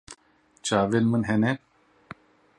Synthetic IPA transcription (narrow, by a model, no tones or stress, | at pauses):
t͡ʃʰaːvenmɨnɦɛnɛ